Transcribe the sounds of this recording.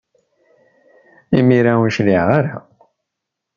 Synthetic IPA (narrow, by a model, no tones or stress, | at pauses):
imiɾauʃliʁaɾa